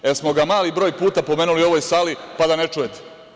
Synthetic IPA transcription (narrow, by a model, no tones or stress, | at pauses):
esmo̞ɡamaːlibɾo̞ːjpuːt̪apo̞me̞ːnulio̞ʋojsalipad̪anet͡ʃujet̪e̥